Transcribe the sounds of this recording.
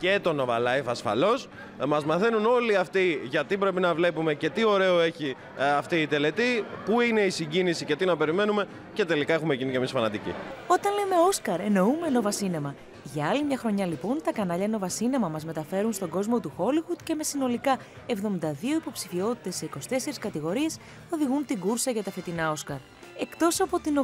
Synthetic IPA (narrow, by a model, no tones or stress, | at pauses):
et̪o̞no̞vɐ̰lɐefɐsfɐ̰lo̞s | mɐzmɐθe̞nuno̞liɐft̪iʝɐt̪ibɾe̞pinɐvle̞pume̞ce̞t̪io̞ɾe̞oe̞çi | ɐft̪iːt̪e̞le̞t̪ipuine̞isiɲɟinisicet̪inɐpe̞ɾime̞nume̞ | ce̞t̪e̞likɐe̞xumecinicemisfɐnɐt̪icḭo̞t̪ɐnle̞me̞o̞skɐɾe̞no̞ume̞no̞vɐsine̞mɐ | ʝɐɐlimɲɐxɾo̞ɲɐlipo̞nt̪ɐkɐnɐʎɐno̞vɐsine̞mɐmɐzme̞t̪ɐfe̞ɾunst̪o̞ɡo̞zmo̞t̪uxo̞liɣud̪ce̞me̞sino̞likɐ | e̞vðo̞mind̪ɐðio̞ipo̞psifio̞t̪i̥t̪e̞sːe̞iko̞si̥t̪e̞se̞ɾiskɐt̪iɣo̞ɾie̞s | o̞ðiɣunt̪iɡuɾsɐʝɐt̪ɐfe̞t̪inɐo̞skɐɾ | e̞kt̪o̞sɐpo̞t̪ino